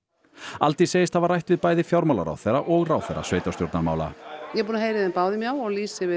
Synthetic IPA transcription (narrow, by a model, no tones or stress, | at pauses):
alt̪iseːjɪst̪θavaɾrːajht̪vɪðpaːjðɪfjawɾmawla̰ɾa̰wθeɾaʔɔɣrawθɛjɾa̰sveːjt̪awsjowɾt̪naɾma̰ːwla̰jɛɣpuːnaɦejɾɪðɛnpaːwðɪmjawɔɣliːsɪvɪ